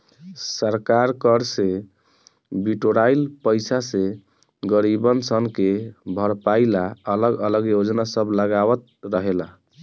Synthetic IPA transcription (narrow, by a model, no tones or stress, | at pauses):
səɾkaɾkəɾse | biʈoɾailpəjsase | ɡəɾibənsənkebʱəɾpailaələɡələɡjod͡ʒnasəbʱləɡawət̪̚ɾəɦela